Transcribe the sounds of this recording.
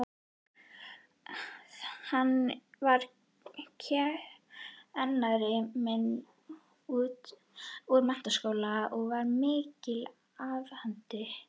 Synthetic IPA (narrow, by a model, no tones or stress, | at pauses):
ɔɣ | hanːvaɾ̥ | cʰɛ | ɛnːaðɾɪmɛn | uːt̪ | uɾmɛn̥t̪askoːwlaɔɣvaɾmɪːcɪl | avhant̪ɪ